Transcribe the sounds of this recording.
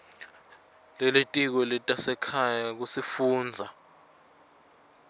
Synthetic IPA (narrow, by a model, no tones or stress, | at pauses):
lɛletʼik̬ɔlɛtʼasɛkʰajak̬usifuːnd͡zʱa